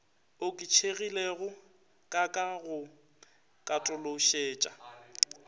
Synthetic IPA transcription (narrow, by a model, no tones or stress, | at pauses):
ʊkʼɪt͡ʃʰeɣileɣʊ | kʼakʼaɣʊ | kʼatʼʊloʃeːt͡ʃʼa